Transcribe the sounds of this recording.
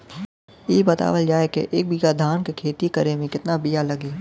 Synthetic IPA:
iːbɐt̪a̰ːʋəld͡ʒaːekḛʔeːk̚bʱijad̪ʱaːnkekʰeːt̪ikəɾemẽkɪt̪nabijalɐɡiː

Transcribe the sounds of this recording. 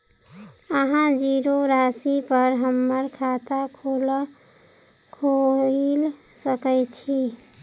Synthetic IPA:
əɦãd͡ʒiɾoɾasipəɾɦəmːəɾkʰat̪akʰol | kʰol | səkət͡ʃʰi

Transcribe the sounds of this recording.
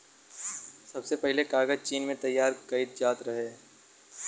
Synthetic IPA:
sɐbsepɛɦlekaːɡəd͡ʒt͡ʃiːnmẽt̪ɐjːaːɾkɐit̪̚d͡ʒaːt̪ɾɐɦeː

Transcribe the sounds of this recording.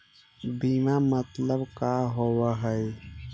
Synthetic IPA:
biːmamət̪ləbkaɦowaɦəj

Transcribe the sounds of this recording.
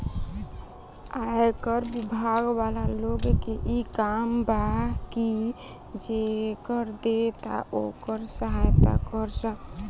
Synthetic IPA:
ajkəɾbibʱaɡbalaloɡkeʔikambaki | d͡ʒekəɾd̪et̪a̰ʔokəɾsəɦajt̪a̰kəɾsə̃

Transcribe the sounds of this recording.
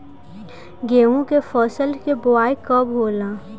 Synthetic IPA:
ɡeːũkefɔːsəlkebʊaːikəbɦoːlaː

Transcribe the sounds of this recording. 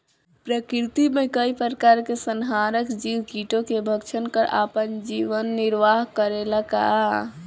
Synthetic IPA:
pɾəkɾit̪imekəipəɾəkaɾkesənɦaɾəkd͡ʒiwkiʈokebʱəkt͡ʃʰənkəɾa̰pənd͡ʒiʋənːiɾʋaɦkəɾeləka̰

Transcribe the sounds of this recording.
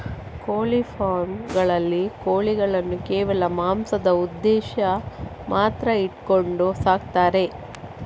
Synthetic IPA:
koːlipʰaːɾmɡɐɭɐlːikoːliɡɐɭɐnːukɛːʋɐlɐmaːmsɐd̪ɐud̪ːɛːʃɐ | mʔaːt̪ɾɐiʈko̞ɳɖusaːɡ̚t̪aːɾe̞

